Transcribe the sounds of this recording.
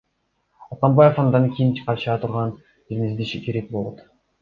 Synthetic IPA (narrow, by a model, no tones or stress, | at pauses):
ɑt̪ɑmbɑjefɑnd̪ɑŋkʲʰijint͡ʃʰi̥qɑʃɑt̪ʰuɾʁɑn | t̪ʰiɾmʲizd̪iʃikʰʲeɾek̚bolˠot̪